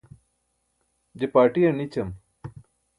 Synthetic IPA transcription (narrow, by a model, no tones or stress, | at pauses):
d͡ʑepaːʈijɐnit͡ɕɐm